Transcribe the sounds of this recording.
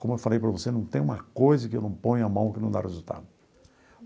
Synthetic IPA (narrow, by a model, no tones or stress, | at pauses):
kõmʊewfalejpɾɐvosenɐ̃w̃t̪ẽj̃ũmɐkojzɐkɪewnɐ̃w̃põɲʊamɐ̃w̃kɪnɐ̃w̃d̪a̰hezut̪a̰d̪ʊ